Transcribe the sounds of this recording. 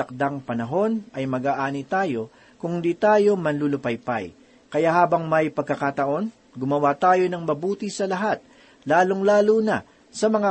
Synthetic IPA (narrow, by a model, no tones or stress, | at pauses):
ɐk̚d̪aŋpɐnɐɦo̞nʔɐjmɐɡaːʔaːnit̪aːjo̞ | kʊŋd̪it̪aːjo̞mɐnlulʊpɐjpa̰j | kɐjaʔhaːbɐŋmɐjpɐɡ̚kɐkat̪ɐʔo̞n | ɡʊmɐwat̪aːjo̞nɐŋmɐbuːt̪isɐlɐɦat̪̚ | laːloŋlaːlunɐ | sɐmɐŋa